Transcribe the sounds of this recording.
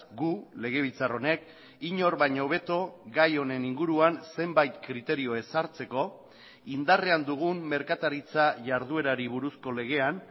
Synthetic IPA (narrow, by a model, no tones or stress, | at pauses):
ɡule̞ɣ̞e̞β̞it͡saro̞ne̞k | iɲo̞ɾβajɲoβ̞e̞t̪o̞ɡajo̞ne̞niŋɡuɾuanse̞mbajt̪kɾit̪e̞ɾio̞e̞saɾt͡se̞ko̞ | ind̪are̞and̪uɣ̞umme̞ɾkat̪aɾit͡saʝaɾð̞ue̞ɾaɾiβ̞uɾusko̞le̞ɣ̞e̞an